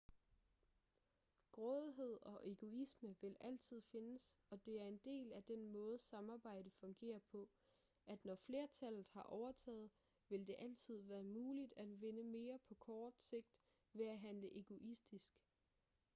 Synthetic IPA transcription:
ɡ̥ʁɔ̽ðˠɦe̝ð̞̰ˠɒ̽ʔe̝ɡ̥o̝isməʋe̝lʔæl̰t͡sʰið̞̰ˠfe̝nəsɒ̽d̥e̝æɐe̝nd̥e̝̰ːlæd̥enmɔ̽ːð̞̩ˠsɑ̈mɑ̈ːb̥ɑ̈ɪ̰d̥əfɔ̽ŋɡ̥e̝̰ːɐpʰɒ̽ | ʔæd̥nɒfle̝ːɐt͡sʰæl̰ð̩ˠhɑ̈ʔɒʊɐt͡sʰɛ̰ːð̩ˠ | ʋe̝ld̥e̝ʔæl̰t͡sʰið̞̰ˠʋæːɐmuːlid̥æd̥ʋe̝nəme̝ːɐpʰɒ̽kʰɒːd̥se̝ɡ̥̚d̥ | ʋe̝æɦænləʔe̝ɡ̥o̝ʔisd̥isɡ̥

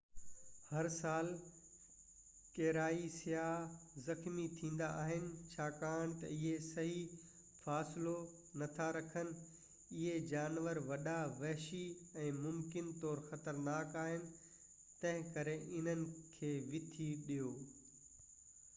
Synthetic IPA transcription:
hɐɾsaːl | kɛːɾaːisɪjaːzɐxmit̪ʰĩːn̆d̪aʔaːɦɪnɪ̆t͡ɕʰaːkaːɽ̃t̪ɐ̰ɪɦesɐɦi | faːsɪlo | nɐt̪ʰaɾɐkʰənɪ̆ | ɪɦed͡ʑaːnʋəɾʋɐɗaʋɛɦʃiɛ̃ːmʊmkɪnt̪ɔːɾxɐt̪əɾnaːkaːɦɪnɪ̆ | t̪ɐ̃ɦɪ̃kɐɾeʔɪn̤ənɪ̆kʰeːʋɪt̪ʰiɗijoː

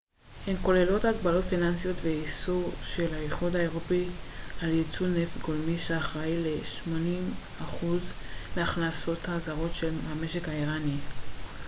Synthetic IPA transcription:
he̞mko̞le̞lo̞taɡbalo̞tfinansijo̞tveisoʃe̞laeχud̪hae̞ʁopialjet͡sunefɡo̞lmiʃeaχʁajle̞ʃmo̞nim | aχuzmeaχnaso̞thazaʁo̞tʃe̞lame̞ʃe̞kaiʁani

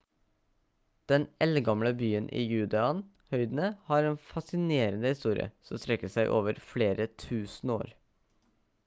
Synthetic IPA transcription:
d̪̥ɛnɛlɡɑmləbyːənʔḭːjʉːd̪ɛɑn | hœʏd̪n̩əhɑːɾeːnfɑsɪneːɾənəhɪst̪uːɾɪə̰sɔmst̪ɾɛkːəsæɪʔo̰ːʋəɾfɽeːɾət̪ʰʉːsn̩o̰ːɾ

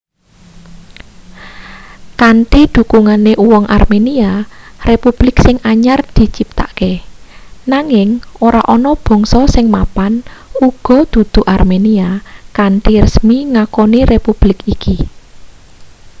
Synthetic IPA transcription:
kaɳʈid̪̥ṳkuŋaneʔuwɔŋʔa̰rmeniarepub̥lɪksɪŋʔaɲard̪̥i̤t͡ʃip̚t̪a̰ʔke | naŋɪŋoɾaʔɔnɔb̥ɔ̤ŋsɔsɪŋmapanuɡ̥ɔ̤d̪̥ṳd̪̥ṳʔarmeniakaɳʈirəsmiŋakɔnirepub̥lɪkiki

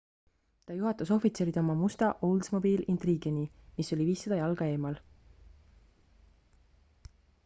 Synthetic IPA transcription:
t̪ɑjuɦɑt̪ːˑuso̞fit̪se̞ːɾid̪o̞mɑmust̪ɑʔowld̪smo̞biːlint̪riɡenimiso̞lʲiviːsːed̪̥ɑjɑlɡ̥ɑe̞ːmɑl

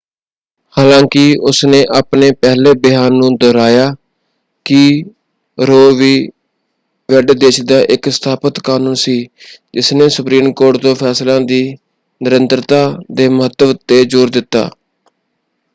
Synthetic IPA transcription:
haːlãːkɪʊsnẽːʔaːpneːpɛːɦleːbɪɦaːnːũːd̪ɔːɾaːjaː | kɪ | ɾoːʋiː | ʋɛɖd̪eːt͡ʃd̪aːʔɪksə̥t̪ʰaːpət̪kaːnũːnsiːd͡ʒɪsneːsʊpɾiːmkoːʈd̪õːpʰɛːslãːd̪iː | nɪɾənt̪ɾt̪aːd̪eːmʊɦət̪ːəʋt̪eːd͡ʒʊːɾd̪ɪt̪ːa̰ː

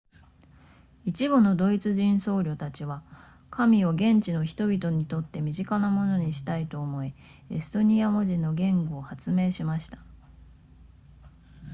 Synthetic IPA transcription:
it͡ɕibɯno̞d̪o̞it͡sɨʑĩɰ̃so̞ːɾʲo̞t̪at͡ɕiβa | kʰamʲio̞ɡẽ̞ɲt͡ɕino̞çi̥t̪o̞bʲit̪o̞ɲ̟it̪o̞t̪ːe̞mʲiʑikanamo̞no̞ɲ̟iɕi̥t̪ait̪o̞ːmo̞i | esɨ̥t̪o̞ɲ̟iamo̞ʑĩnːo̞ɡẽ̞ŋɡoːhat͡sɨme̞ːɕimaɕi̥t̪ḁ

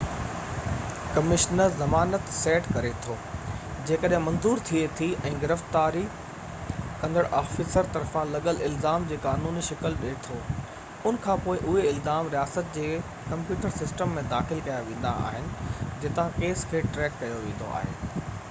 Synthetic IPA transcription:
kɐmɪʃnəɾzɐmaːnət̪sɛːʈkɐɾet̪ʰoː | d͡ʑeːkəɗɦɪ̃mɐ̃nzuːɾt̪ʰiet̪ʰiɛ̃ːɡɪɾəftt̪aːɾi | kɐ̃n̆d̪əɽʔaːfɪsəɾt̪ɐɾfãlɐɠəlɪlzaːmd͡ʑeːkaːnuːniʃɪkəlɗeːt̪ʰoː | ʊnkʰãːpoːɪʔʊɦeɪlzaːmɾijaːsət̪̚d͡ʑeː | kɐ̃mpjuːʈəɾsɪsʈəmːẽd̪aːxɪlkɐjaʋẽːn̆d̪a̰a̰ːɦɪnɪ̆d͡ʑɪt̪ãkeːskʰeːʈɾɛːkːɐjoʋẽːnd̪o̰ʔa̰ːɦḛː

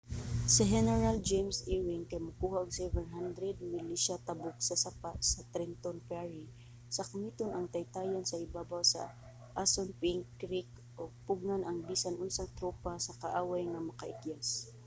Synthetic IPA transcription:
sɪɦɛnɛɹald͡ʒejmsiɹɪŋkajmʊkuːhaʔʊɡsɛvɛnɦand̪ɾɛd̪̚mɪliʃat̪ɐbʊksɐsapaʔ̪sɐt̪ɾɛnt̪onpɛɹi | sɐkamiːt̪onʔɐŋt̪ɐjt̪aːjansɐʔɪbaːbawsɐ̰ | ʔasonpɪŋkɾik | ʔoɡ̚pʊɡ̚nanɐŋbiːsanʔʊnsaŋt̪ɾoːpasɐkaʔaːwajŋɐmɐkɐʔɪkjas

